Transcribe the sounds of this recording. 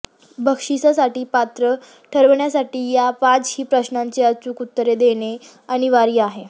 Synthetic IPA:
bʱəkʂisasaʈiːpat̪ɾə | ʈʰəɾʋɳjasaʈiːjapat͡shiːpɾəɕnaɲt͡seət͡sukut̪ːəɾed̪eɽ̃e | aɽ̃iʋaɾiːaɦe

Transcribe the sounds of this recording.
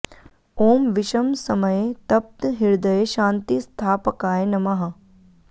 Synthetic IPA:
oːmʋɪʃɐmsɐməjet̪ɐp̚t̪ɦɪɾd̪ɐjeʃãːnt̪ist̪ʰaːpəkaːenɐmaɦɐ

